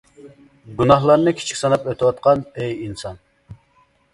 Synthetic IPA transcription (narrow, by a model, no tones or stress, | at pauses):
ɡunɑhlˠɑɾnɨkʲʰi̥t͡ʃʰi̥kʲsɑnɑpøt̪ʰɪwɑt̪̚qʰɑnɛjinsɑn